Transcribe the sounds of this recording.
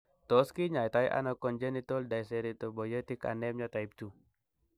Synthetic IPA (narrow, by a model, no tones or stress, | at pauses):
t̪ɔskiɲajt̪aiʔa̰nɔkɔnd͡ʒenit̪ɔldajsɛɾit̪obɔjət̪ika̰nɛmɲɔt̪aip̚t̪u